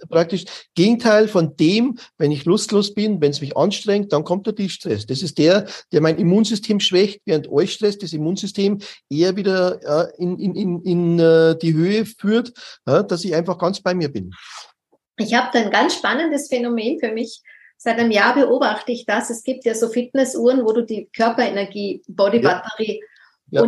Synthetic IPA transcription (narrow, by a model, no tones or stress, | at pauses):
pʁ̥ak̚tɪʃɡ̥eːɡŋ̩tʰaɪlfɔnd̥eːmvɛnɪçlʊstloːsb̥ɪnvɛnsmɪçʔɑ̰nʃtʁ̥ɛŋkt̚d̥ankʰɔmt̚d̥eːɐd̥iʃtʁ̥ɛsd̥asɪst̚d̥eːɐd̥eːɐmaɪnimuːnzʏstʰeːmʃv̥ɛçtv̥eːʁəntʔɔʏçʃtʁ̥ɛsd̥asimuːnzʏstʰeːmʔeːɐviːdɐɪnɪnɪnɪnd̥iːɦøːəfyːɐtjad̥asɪçãɪnfɑχɡ̥ɑnt͡sb̥aɪmiːɐbɪn | ʔɪçhaːbəd̥aːɪnɡant͡sʃpanəndəsfɛnomeːnfyːɐmɪç | z̥aɪtanəmjaːɐbəʔoːbaxtəɪçd̥asɛsɡ̥iːp̚tjaːzoːfɪt̚nɛsʔuːɐənvoːduːdiːkʰœɐpɐenɛɐɡiːb̥ɔdibatəʁiː | ʊ